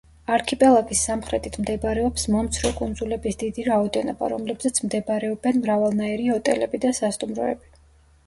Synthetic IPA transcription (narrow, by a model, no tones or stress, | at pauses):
aɾkʰipʼɛlˠakʼisːamχɾɛt̪ʰʼit̪ʰmd̪ɛbaɾɛɔpsmɔmt̪sʰɾɔkʼund̪zulɛbisd̪id̪iɾaɔd̪ɛnɔba̰ɾɔmlɛbzat̪sʰmd̪ɛbɾɛɔbɛnmɾavalˠnaɛɾiɔt̪ʼɛ̰lɛbid̪asast̪ʼumɾɔ̰ɛ̰bi